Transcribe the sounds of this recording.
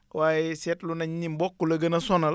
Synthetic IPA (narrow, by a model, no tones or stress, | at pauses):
waːjɛsɛtlunɐɲɲimbɔkːulɐɡɐnɐsɔnɐl